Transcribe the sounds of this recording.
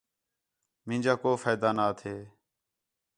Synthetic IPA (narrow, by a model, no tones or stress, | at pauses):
mɪ̃ːnʲd͡ʒaːkoːfaːjd̪aːnaːt̪ʰeː